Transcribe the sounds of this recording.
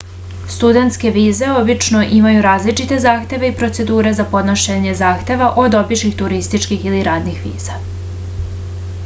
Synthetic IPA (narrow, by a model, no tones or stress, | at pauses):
st̪ud̪e̞nt̪ske̞ʋiːze̞o̞bit͡ʃno̞ʔimajuɾaːzlit͡ʃit̪e̞zaːxt̪ʲe̞ʋe̞ipɾo̞t̪se̞d̪uːɾe̞zapo̞d̪noʃeɲe̞zaːxt̪e̞ʋaʔo̞d̪o̞biʃixt̪uɾist̪it͡ʃkixiliɾaːd̪nixʋḭːz̥a